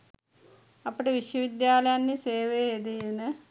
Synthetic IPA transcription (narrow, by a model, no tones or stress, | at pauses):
ɐpːɐɽeʋiʂjɐʋid̪jaːlɐjanːiseːʋeed̪iðinɨ